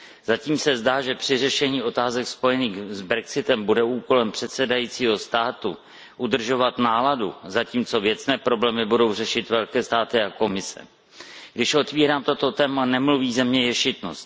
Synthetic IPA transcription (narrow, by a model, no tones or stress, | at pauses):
zaciːmsɛzdaːʒɛpr̝̥ɪrɛʃɛɲiːʔo̞t̪aːzɛkspo̞jɛniːxzbɾɛksɪt̪ɛmbudɛuːko̞lɛmpr̥ɛt̪sɛdajiːt͡siːɦo̞st̪aːt̪u | ʔudr̩ʒo̞vat̪naːladṵzaciːmt͡so̞vjɛt͡snɛːpɾo̞blɛːmɪbudo̞wr̝ɛʃɪt̪vɛlkɛːst̪aːt̪ɪako̞mɪsɛ̰ | ɡdɪʃʔo̞t̪viːɾaːmt̪o̞t̪o̞t̪ɛːmanɛmluviːzɛmɲɛjɛʃɪt̪no̰st̪